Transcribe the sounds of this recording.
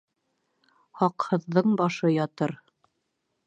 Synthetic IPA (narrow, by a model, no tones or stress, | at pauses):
hɑqhɤ̆ðːɤɴbɑʃɤjɑt̪ɤɾ